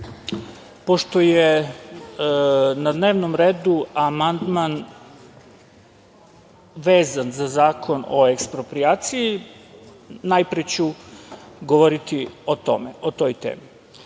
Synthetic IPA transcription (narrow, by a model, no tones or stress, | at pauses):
po̞ʃt̪o̞je | nad̪ne̞ːʋno̞mɾeːd̪uamand̪man | ʋeːzanzazaːkʰo̞no̞̰ekspɾo̞pɾiaːt̪siji | najpɾet͡ɕu | ɡo̞ʋoɾit̪iot̪o̰meot̪o̞jt̪ḛːmi